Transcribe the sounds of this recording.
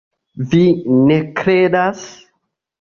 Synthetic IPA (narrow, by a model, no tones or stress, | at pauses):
vine̞kɾedas